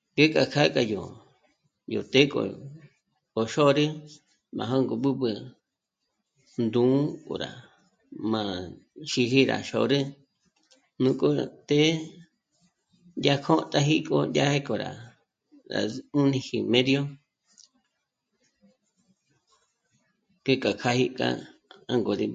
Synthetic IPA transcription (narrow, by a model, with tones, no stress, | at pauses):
ŋɡe˦kʼa˧kʰa˦kʼa˧jo˨ | jo̰˨t̪e˦kʼo̰˨ | o˨ʃo˦ɾɨ˦ | mã̰˨ɦo˦ŋɡo˨ɓɨ˦bɨ˧ | nd̪ũː˨˦kʼo̰˨ɾa̰˨ | mã˨ | ʃi˧ɦi˦ɾa̰˨ʃo̰˨˧ɾɨ˦ | nũ˧kʼo˦t̪e˦ | ndʲa˧kʰõ˦t̪ʼa˧ɦi˦kʼo̰˧ndʲja˦he˦ko˨ɾa̰˨ | ɾa̰˨u˦nĩ˧hi˧mẽ˦ðjo˦ | ke˦kʼa˨kʰa˧hi˧kʼã̰˦˧ã˦ŋɡo˨ɾi˧